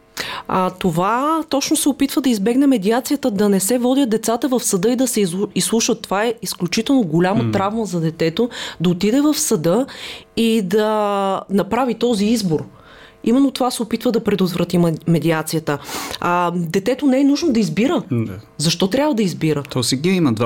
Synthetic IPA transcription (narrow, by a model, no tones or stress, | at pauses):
ət̪ovat̪ɔt͡ʃnosɛopit̪vəd̪ɐizbɛɡnɛmɛd̪iat̪sijət̪əd̪ɐnɛsɛvɔd̪ʲət̪̚d̪ɛt̪sat̪əvɐfsɐd̪ɤid̪ɐsɛislˠuʃvət̪ːovaɛisklʲut͡ʃit̪ɛlˠnoɡolʲamət̪ɾavməzɐd̪ɛt̪ɛt̪od̪ɐot̪id̪ɛvəfsɐd̪ɤid̪ɐnɐpɾavit̪ɔziizboɾ | imɛnːot̪ovasɛopit̪vəd̪ɐpɾɛd̪ot̪vɾɐt̪immɛd̪iat̪sijət̪ə | d̪ɛt̪ɛt̪onɛɛnuʒnod̪ɐizbiɾəzɐʃt̪ɔt̪ɾʲabvəd̪ɐizbiɾət̪ɔsɛɡiiməd̪va